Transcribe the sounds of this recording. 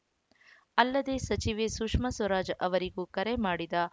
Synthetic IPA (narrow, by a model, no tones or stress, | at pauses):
ɐlːɐd̪e̞ːsɐt͡ʃiʋeːsukʂmɐsʋɐɾaːd͡ʒʔɐʋɐɾiɡuːkɐɾemaːɽid̪ɐ